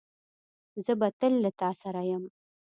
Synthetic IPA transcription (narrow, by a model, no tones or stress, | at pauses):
zɨbɐtʰɨlːɨtʰaːsɐɾɐjɐm